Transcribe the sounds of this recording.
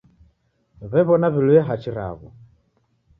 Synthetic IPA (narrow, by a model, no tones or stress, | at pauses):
βɛβɔnaβiluɛɦat͡ʃiɾa̰βɔ